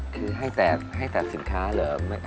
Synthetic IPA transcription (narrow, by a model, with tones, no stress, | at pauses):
kʰɯː˧ɦa˥˩jt̪ɛː˨˩ha˥˩jt̪aː˨˩t̪̚si˩˦nkʰaː˦˥lɤː˩˦ma˥˩jʔ